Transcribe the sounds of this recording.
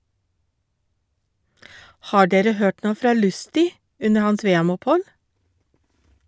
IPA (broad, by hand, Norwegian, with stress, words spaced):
ˈhɑː ˈɖeːɾə ˈhøːʈ ˈɳoː ˈfɾɑː ˈlʉstɪ ˈʉnə ˈhɑns ˈʋeːɛmʊpˌhɔl